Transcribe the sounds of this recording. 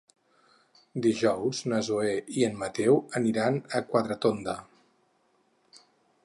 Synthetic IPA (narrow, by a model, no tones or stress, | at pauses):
d̪iʒɔwznəzueiənmət̪ɛwəniɾanəkwat̪ɾət̪ond̪ə